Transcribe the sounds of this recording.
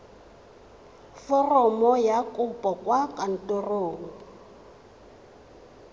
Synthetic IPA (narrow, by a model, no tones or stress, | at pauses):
fɔrɔmɔjakʼʊpʼɔkʼwakʼan̩tʼoroːŋ̩